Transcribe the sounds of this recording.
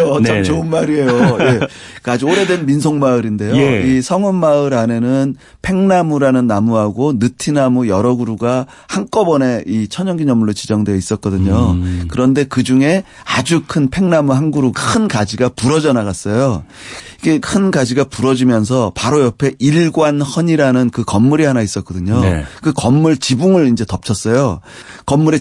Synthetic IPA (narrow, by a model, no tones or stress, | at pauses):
oamt͡ɕoɯnmaɾie̞joje̞ | kad͡ʑioɾe̞dwenminsʰoŋmaɯɾinde̞joisʰʌŋʌnmaɯɾane̞nɯn | pʰe̞ŋnamuɾanɯnːamuɦaɡonɯtʰinamujʌɾʌɡuɾuɡa | hank͈ʌbʌne̞it͡ɕʰʌɲʌŋɡiɲʌmːuɭːot͡ɕid͡ʑʌŋdweʌis͈ʌt̚k͈ʌdɯɲokɯɾʌnde̞kɯd͡ʑuŋe̞ | ad͡ʑukʰɯnpʰe̞ŋnamuɦanɡuɾuɡakʰɯnkad͡ʑiɡapuɾʌd͡ʑʌnaɣas͈ʌjoiɡe̞kʰɯnɡad͡ʑiɡapuɾʌd͡ʑimjʌns̬ʰʌpaɾojʌpʰe̞ʔiɭɡwanhʌɲiɾanɯnkɯkʌmːuɾiɦanais͈ʌtk͈ʌdɯɲo̰kɯkʌmːuɭt͡ɕibuŋɯɭind͡ʑe̞tʌp̚t͡ɕʰʌs͈ʌjokʌmːuɾi